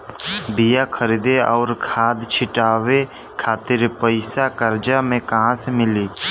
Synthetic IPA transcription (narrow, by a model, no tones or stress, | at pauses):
bijakʰəɾiːd̪eɔːɾkʰaːd̪t͡ʃʰɪʈaːwe | kʰaːt̪ɪɾpəɪsakəɾd͡ʒamẽkɐɦãsemɪliː